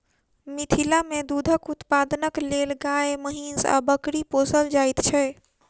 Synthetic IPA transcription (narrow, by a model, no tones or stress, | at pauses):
mit̪ʰilamed̪ud̪ʱəkut̪pad̪ənəklelɡaeməɦinsa̰bəkɾiposəld͡ʒajt̪t͡ʃʰɛ